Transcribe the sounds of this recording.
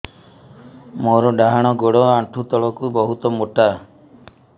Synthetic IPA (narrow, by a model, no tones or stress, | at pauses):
moɾɔɖaɦaɽ̃ɔɡoɽɔaʈʰut̪ɔɭɔkubɔɦut̪ɔmoʈa